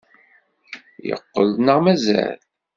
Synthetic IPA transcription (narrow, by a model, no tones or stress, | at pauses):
jə̰qːəlnəʁmæzæ̰l